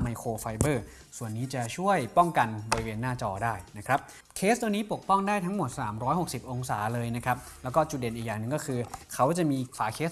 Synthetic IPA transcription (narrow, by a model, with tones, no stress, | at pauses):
ma˧jkʰoː˧fa˧jbɤː˥˩ | su˨˩ənːiː˦˥t͡ɕa˨˩t͡ɕʰu˥˩əjpɔ˥˩ŋka˧nbɔ˧ɾi˦˥weː˧nːaː˥˩t͡ɕɔː˧daː˥˩jna˦˥kʰɾa˦˥p̚ | kʰeː˦˥st̪ʰu˧niː˦˥po˨˩k̚pɔ˥˩ŋdaː˥˩jt̪ʰa˦˥ŋmo˨˩t̪̚saː˩˦mɾɔː˦˥jho˨˩k̚si˨˩p̚ʔo˧ŋsaː˩˦lɤː˧jna˦˥kʰɾa˦˥p̚lɛː˦˥wkɔː˥˩t͡ɕu˨˩t̪̚de˨˩nʔi˨˩jaː˨˩ŋnɯ˨˧˩ŋkɔː˥˩kʰɯː˧kʰa˦˥wt͡ɕa˨˩miː˧kʰwaː˩˦kʰeː˦˥s